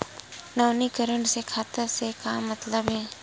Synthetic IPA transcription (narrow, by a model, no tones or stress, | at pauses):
naːnikəɾəɳsekʰaːt̪əɾsekamɐt̪ləbɦɛ̃ː